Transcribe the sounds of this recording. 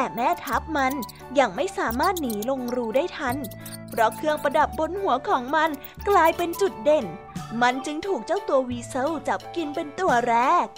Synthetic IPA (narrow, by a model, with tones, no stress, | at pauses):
t̪ɛː˨˩mɛː˦˥˩t̪ʰa˦˥p̚ma˧n | jaː˨˩ŋma˥˩jsaː˩˦maː˥˩t̪̚niː˩˦lo˧ŋɾuː˧daː˥˩jt̪ʰa˦˥˩n | pʰɾɔ˦˥kʰɯ˧əŋpɾa˧da˨˩p̚bo˧nhu˨˩˦ɐkʰɔː˩˦ŋma˧n | klaː˧jpe˧nt͡ɕu˨˩t̪̚de˨˩n | ma˧nt͡ɕɯ˧ŋt̪ʰuː˨˩k̚t͡ɕa˥˩wt̪u˧ɐwiː˧sɤ˥˩wt͡ɕa˨˩p̚ki˧npe˧nt̪u˧˩ɐɾɛː˦˥˩k̚